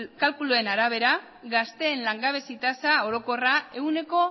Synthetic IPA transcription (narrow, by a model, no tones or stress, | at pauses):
kalkulue̞naɾaβ̞e̞ɾa | ɡast̪e̞ːnlaŋɡaβ̞e̞sit̪asao̞ɾo̞ko̞rae̞wne̞ko̞